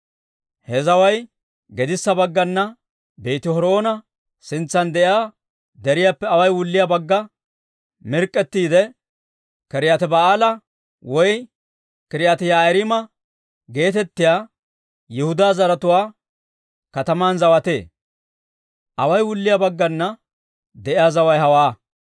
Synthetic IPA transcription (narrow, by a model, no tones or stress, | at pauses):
hɛzɐwɐj | ɡɛd̪ɪsːɐbɐɡːɐnːɐ | beːt̪ɪhɔɾo̞ːnɐ | sɪnt͡sːɐnd̪ɛʔɪaː | d̪ɛɾɪjapːɛɐwɐjwʊlːɪjɐbɐɡːɐ | mɪɾkʼːɛt̪ːiːd̪ɛ | kɛɾɪjat̪ɛbɐaːlɐ | wɔj | kɛɾɪjat̪ɪjajɾɪmɐ | ɡe̞ːt̪ɛt̪ːɪjaː | jɛhʊd̪aːzɐɾɐt̪ʊwaː | kɐt̪ɐmaːnzɐwɐt̪e̞̰ː | ʔɐwɐjwʊlːɪjabɐɡːɐnːɐ | d̪ɛʔɪjaːzɐwɐjhɐwaː